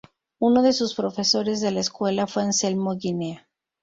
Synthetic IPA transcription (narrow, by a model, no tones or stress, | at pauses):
unoðe̞suspɾo̞fe̞so̞ɾe̞zðe̞laeskwe̞lafweanse̞lmoɣinea